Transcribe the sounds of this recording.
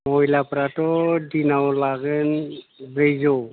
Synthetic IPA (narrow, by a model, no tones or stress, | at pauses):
mɔjlapɾatɔdinawlaɡɯnbɾejzɔ